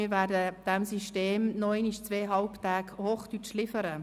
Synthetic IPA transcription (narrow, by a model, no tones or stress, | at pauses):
ɪɾʋæːdəd̥æmsiʃteːmnɔeːniʃt͡sʋeːɦɑlpt̪æːkhoːχd̥ytʃlɪfəɾə